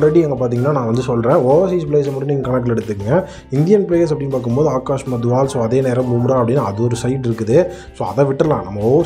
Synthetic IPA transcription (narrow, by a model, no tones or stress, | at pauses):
ɾɛɽiɛŋɡɐp̬aːɾt̪iŋɡɐnːaːnãːʋɐnd̪ɯsɔlrɾẽːoːʋɐs̬iːspleːs̬ɐmɐːɽɯniːŋɡɐkɐnɛk̚ʈɛɽɯt̪ːɯkːŋɡɐ | ɪnd̪ɪjɐnpleːjɐsɐpːɐɽɪnːpaːɾkɯmpoːðɯaːkaːʂmaːd̪ʊʋaːlsõːɐðeːneːɾɐ̃bumɾaːɐpːɐɽɪnːaɐðɯɔɾɯsɐɪʈɪɾɯkːɯðɯ | soːɐðɐ̃ːʋɪʈːɾɐlã̰ːnɐmːɐoːʋ